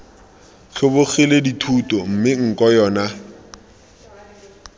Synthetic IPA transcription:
ɬʰʊbʊχileditʰutʼɔm̩mɪŋ̩kʼɔjɔːna

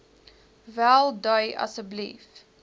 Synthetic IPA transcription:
vælˠdəjʔɐ̰səblḭf

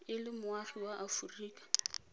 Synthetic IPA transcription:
ɪlɪmʊwaχiwaʔafuriːkḁ

